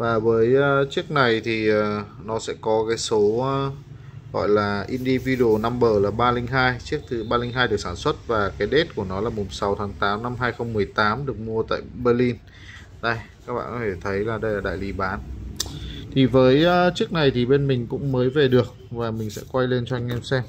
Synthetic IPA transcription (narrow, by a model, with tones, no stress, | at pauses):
vaː˨˩vəː˨˦jːt͡ɕɨ˦˥ək̚na˨˩jt̪ʰi˨˩əː˨˩ | nɔ˨˦sɛ̰˧˥kɔ˨˦kaː˨˦jso˨˦˧ | ɣɔ̰˧˨jlaː˨˩ʔi˧nɗi˧vi˧ɗo˨˩na˧mɓəː˧˩laː˨˩ɓaː˧lï˧ŋ̟ɦaː˧jt͡ɕək̚t̪ʰɨ˨˦ɓaː˧lï˧ŋ̟ɦaː˧jɗɨ˨˩ək̚saː˧˩nswə˦˥t̚vaː˨˩kaː˨˦jɗe˦˥t̚ku˧˩ənɔ˨˦laː˨˩mʊ˨˩ŋ͡msa˨˦wt̪ʰaː˨˦ŋt̪aː˨˦mna˧mɦaː˧jxə˧wŋ͡mmːɨ˨˩əjt̪aː˨˦mɗɨ˨˩ək̚mu˧ət̪a̰ː˧˨jɓəː˧li˧n | ɗə˧jkaː˦˥k̚ɓa̰ː˧˨nkɔ˨˧t̪ʰe˧˩t̪ʰə˨˦jlaː˨˩ɗə˧jlaː˨˩ɗa̰ː˧˨jli˨˦ɓaː˨˦n | t̪ʰi˨˩vəː˨˦jːt͡ɕɨ˦˥ək̚na˨˩jt̪ʰi˨˩ɓe˧nmï˨˩ŋ̟kʊ̰˧˥ŋ͡mməː˨˦jve˨˩ɗɨ˨˩ək̚vaː˨˩mï˨˩ŋ̟sɛ̰˧˥kwa˧jle˧nt͡ɕɔ˧a˧ŋ̟ʔɛ˧msɛ˧m